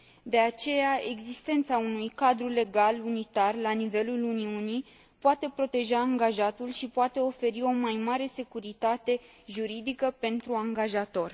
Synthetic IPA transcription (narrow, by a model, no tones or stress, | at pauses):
d̪e̞at͡ʃe̞jae̞ɡzist̪e̞nt̪saunujkad̪ɾule̞ɡalunit̪arlanive̞luluniunij | poat̪e̞pɾo̞t̪e̞ʒaːŋɡaʒat̪ulʃipoat̪e̞o̞fe̞ɾio̞majmaɾe̞se̞kuɾit̪at̪e̞ | ʒuɾid̪ikəpe̞nt̪ɾuaŋɡaʒat̪o̞r